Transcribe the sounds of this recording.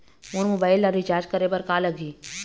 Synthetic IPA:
moːɾmoːbaːɪlːɐɾit͡ʃaːɾd͡ʒkəɾebəɾkalɐɡiː

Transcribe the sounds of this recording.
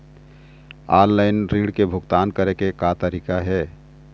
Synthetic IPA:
aːllaɪnɾiɽkebʱʊɡt̪aːnkəɾekekat̪əɾikaɦɛ

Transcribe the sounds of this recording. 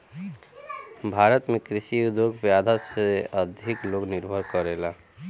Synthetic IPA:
bʱaːɾət̪mẽkɾɪʃid̪okbjaːd̪ʱaseəd̪ʱɪkloːɡnɪɾbʱəɾkəɾeːla

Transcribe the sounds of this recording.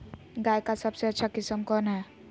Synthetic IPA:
ɡaːjkasəbseətːʃʰakɪsəmkɔːnɦɛː

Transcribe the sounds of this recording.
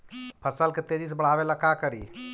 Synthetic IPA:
pʰəsəlket̪ed͡ʒis̬ebəɽ̤aːʋelakakəɾḭː

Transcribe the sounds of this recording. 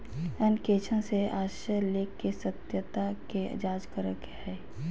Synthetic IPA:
ənkeːt͡ʃʰə̃seaːʃəleːkːesət̪jət̪akḛd͡ʒaːd͡ʒkəɾəkhɛː

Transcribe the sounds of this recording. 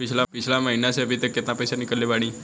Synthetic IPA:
pit͡ɕʰlapit͡ɕʰlaməɦinaseəbʱit̪jəkːet̪napəjsanikəlːeʋaɽ̃iː

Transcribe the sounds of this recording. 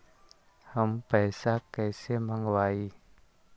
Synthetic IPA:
həmpɛjsakɛːseməŋɡwaːi

